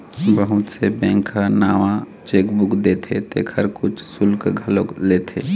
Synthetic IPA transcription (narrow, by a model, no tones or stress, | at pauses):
bəɦʊt̪sebɛ̃ːŋkʰanaːʋã | t͡ʃeːkbʊkd̪eːt̪ʰet̪ḛːkʰəɾkʊt͡ʃʰsʊlkɡʱəlokleːt̪ʰḛː